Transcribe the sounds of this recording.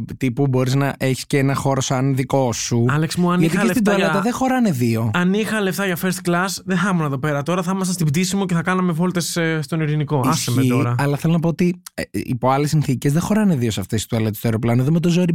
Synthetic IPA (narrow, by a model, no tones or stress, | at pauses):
t̪ipubo̞ɾiznɐʔeçi̥sceenɐxo̞ɾosɐnðiko̞suɐleksmuɐnʝiɐt̪iest̪id̪olɐɐt̪ɐðexo̞ɾɐne̞ðio̞ɐnixɐleft̪ɐʝɐfeɾst̪klɐsðeθɐmunɐðo̞pe̞ɾɐt̪o̞ɾɐθɐmɐs̬ɐst̪ibt̪isimoceθɐkɐnɐmevo̞lt̪esst̪o̞niɾiniko̞ɐsemeit̪oɾɐɐlɐθelonɐpoot̪iḭpoɐlesːinθicezðexo̞ɾɐneðio̞sɐft̪e̞si̥t̪uelet̪st̪oeɾo̞plɐnoeðomet̪o̞zoɾi